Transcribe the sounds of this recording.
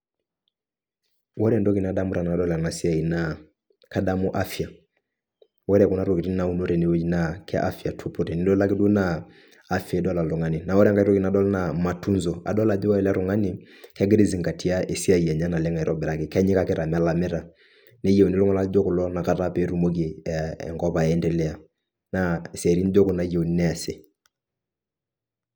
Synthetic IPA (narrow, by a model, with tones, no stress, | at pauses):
wɔ˦ɾɛ˨ndɔ˦ki˨na˨˦da˦mu˦ɾa˨n˨a˨dɔ˦la˨na˨si˦a˨i˨na˨ | ka˦da˦mu˦ʔa˦fi˨a˨ | wɔ˦ɾɛ˦a˨ku˦na˦ɾo˨ki˨ti˦n˦na˨u˦no˦ɾɛ˨ne˨wo˦d͡ʒi˦na˨kɛ̰˦ʔa˦fi˨a˨tʰu˦pu˦ɾɛ˨ni˦dɔ˦la˦ki˦du˦naː˨ | fɛ˨˦dɔ˦la˨lu˨ŋa˦ni˨na˨wɔ˦ɾa˨ŋɡa˦iɾɔ˦ki˨na˨˦dɔ˦lna˨ma˨tu˦nzɔ˨a̰˨dɔ˦la˨d͡ʒwa˦ɛ˨la˦ɾu˨ŋa˦ni˨ | kɛ˦ɡɪ˦ɾi˦zi˨ŋɡa˨tʰi˦a˦e˨si˦a˨ja˨ɲa˦na˨lɛ˦ŋa˨i˨ɾɔ˦bɛ˨ɾa˦kɪ˨kɛ˦ɲɪ˦ka˦kɪ˦ɾa˨mɛ˦la˨mɛ˦ɾa˨ | ne˦je˨o˨ni˦lʊ˦ŋɔ˦la˦ld͡ʒo˦kʊ˨lɔ˦na˨ka˨ta˦pe˦ɾu˦mo˦k̬i˨ɛ̰˨ŋkɔ˦pa˨ɛ˦ndɛ˨lɛ˦a˨ | na˦˨sɛ˨ɾi˦n˦d͡ʒo˦kʊ˨na˨je˨o˨ni˦nɛ˦a˨se˨